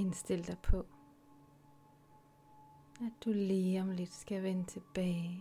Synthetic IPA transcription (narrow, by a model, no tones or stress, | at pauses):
ɪnsd̪̥ɪl̰d̪̥ɑpʰɔ̽ | æd̚d̪̥uliːɒmlɪd̥sɡ̥æʋɛnət̪ʰe̝b̥ɛː